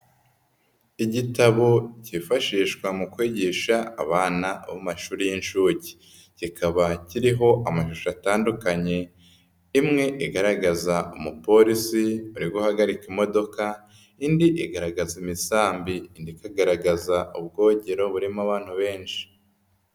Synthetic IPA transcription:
iɟitaβocifaʃiːʃkwamukwiːɟiʃaːβaːnaβomaʃuːɾijinʃuːɟi̥ | cikʰaβaciɾiɦo̞ʔamaʃuʃataːndukaɲe̞ | imŋe̞ʔiɡaɾaɡazaumupo̞ɾisiuɾiɡuhaɡaɾikimo̞do̞ka | indiʔiɡaɾaɡazimisaːmbiːndikaɡaɾaɡazaub̚ɡo̞ːɟeɾo̞βuɾimaβaːn̥huβe̞ːnʃi̥

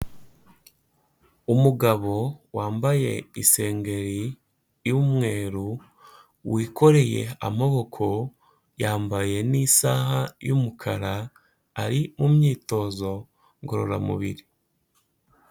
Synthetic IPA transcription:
umuɡaβo̞waːmbaje̞̰ise̞ːŋɡe̞ɾi | jumŋe̞ːɾu | wʔiːko̞ɾe̞je̞̰a̰moβo̞kʰo̞ | jaːmbaje̞nisaːɦajumukʰa̰ɾaː | ɾimumɲiːto̞ːzo̞ | ŋɡo̞ɾo̞̰ɾa̰mṵβiɾi

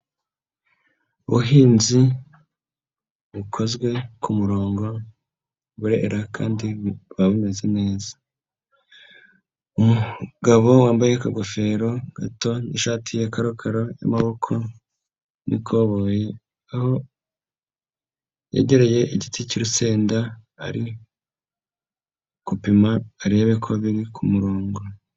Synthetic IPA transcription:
uβuɦiːnzi | βukʰo̞zɡwe̞kumuɾo̞ːŋɡo̞ | βuɾe̞̰ɾakʰaːndiβaβume̞zene̞ːzḁ | umuɡaβo̞waːmbajekaɡofe̞ɾo̞ɡ̥ato̞niʃaːtʰijakaɾokʰaɾoja̰maβo̞kʰo̞ | nʔḭkʰoβoje̞ | aho̞ | jḛɟe̞ɾe̞je̞iɟiticiɾuse̞ːnda | a̰ɾi | kupimaːɾeβekʰo̞βiɾikʰumuɾoːŋɡo

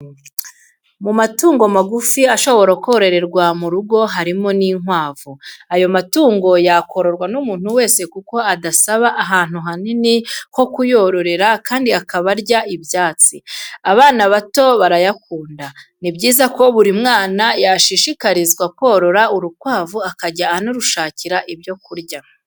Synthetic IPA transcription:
mumatuːŋɡo̞maɡufiaʃo̞βo̞ɾakoɾe̞ɾe̞ɾɡwamuɾuɡo̞ɦaɾimo̞niːŋwaːvuajo̞matuːŋɡo̞jakʰo̞ɾo̞ɾɡwanumuːn̥huwe̞ːsekuko̞adasaβaʔːɦaːn̥huɦaniniko̞kujo̞ɾo̞ɾe̞ɾakaːndiakaβaɾɟaʔibjaːt͡siaβaːnaβato̞βaɾajakuːndanibɟiːzako̞βuɾimŋaːnajaʃiʃikaɾizɡwakwo̞ːɾo̞ɾauɾukwaːvuakaɟaːnoɾuʃaːciɾaʔibjo̞kuɾjɟa

